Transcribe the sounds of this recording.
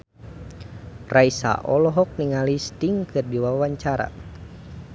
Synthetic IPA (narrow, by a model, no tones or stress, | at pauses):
raisa̰ʔɔlɔɦɔk̚niŋalist̪iŋkɨrdiwawaɲt͡ʃaɾa̰